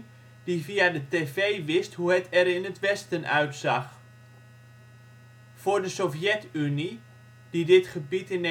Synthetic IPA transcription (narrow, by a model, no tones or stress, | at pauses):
d̥iviadəteːvejʋɪstɦuɦətʰɛɾɪnətʋɛstənʔœ̰ɥtsaχ | fʊːɹdəsofjɛtyni | d̥idɪtχəbitɪne